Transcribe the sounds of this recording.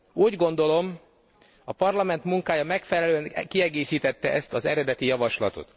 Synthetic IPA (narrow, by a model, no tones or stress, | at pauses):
uːɟɡo̞nd̪o̞lo̞m | ɒpɒrlɒmɛnt̪muŋkaːjɒmɛkfɛlɛløːɛnkiɛɡeːsiːt̪ɛt̪ːɛʔɛst̪ɒzɛɾɛd̪ɛt̪ijɒvɒʃlɒ̰t̪o̰t̪